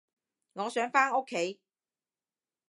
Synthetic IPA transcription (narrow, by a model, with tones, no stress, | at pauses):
ŋɔː˨˧sœː˨˥ŋfaː˥ŋo˥kʰːe˨˥j